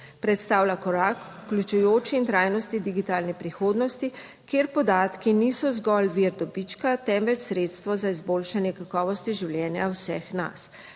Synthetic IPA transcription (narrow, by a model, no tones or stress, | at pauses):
pɾɛt̪st̪aːwlʲakɔɾakuklʲut͡ʃujoːt͡ʃiːnt̪ɾaːjnɔst̪id̪iɡit̪aːlnɛpɾixoːd̪nɔst̪i | keːɾpɔd̪aːt̪kinisɔzɡɔlʋiɾd̪ɔbit͡ʃkat̪ɛmʋɛt͡ʃsɾeːt̪st̪ʋɔzaizboːlʃanjɛkakɔːʋɔst̪iʒiwlʲjɛːnjawsɛxna̰s